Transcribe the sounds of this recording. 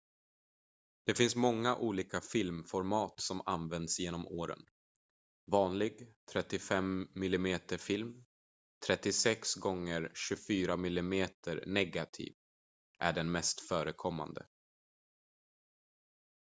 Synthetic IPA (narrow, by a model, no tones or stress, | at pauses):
d̪̥ɛfɪnsmɔŋːaʔuːliːkafɪlmfɔɾmɑːt̪sɔma̰nvɛnd̪sjeːnɔmoːɾə̰n | vɑːnlɪɡt̪ʰɾɛt̪ːɪfɛmːɪlɪmeːt̪əfɪlm | t̪ʰɾɛt̪ːɪsɛksɡɔŋːəɾɕɵfyːɾamɪlɪmeːt̪ʰəɾnɛɡat̪ʰḭːv | ʔæ̰ɖɛnmɛst̪fœːɾəkʰɔmːa̰nd̪ə̰